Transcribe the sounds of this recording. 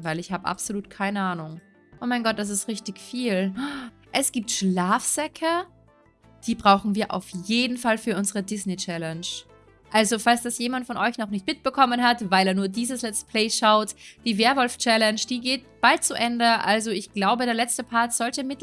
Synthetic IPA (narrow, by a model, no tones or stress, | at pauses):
vaɪlɪçhaːbəʔa̰pz̥oluːtkʰaɪnəʔaːnʊŋ | ʔoːmaɪnɡɔt̚d̥as̬ɪstʁɪçtɪçfiːl | ʔɛsɡ̥iːp̚tʃlaːfz̥ɛkʰə | d̥iːbʁaʊxn̩viːɐʔa̰ʊfjeːdn̩falfyːɐʔʊnzəʁədɪsnet͡ʃɛlɛnʃ | ʔalzofalsd̥asjeːmantfɔnʔɔʏçnɔχnɪçtmɪt̚b̥əkʰɔmənɦatvaɪleːɐnuːɐdiːzəslɛt͡stə̥pʰl̥eːʃaʊtd̥iːveːɐvɔlft͡ʃɛlɛnʃd̥iːɡeːt̚b̥alt̚t͡suʔɛndəʔalzoɪçɡ̥laʊbədɾeːɐlɛt͡stəpʰaɐtz̥ɔltəmɪt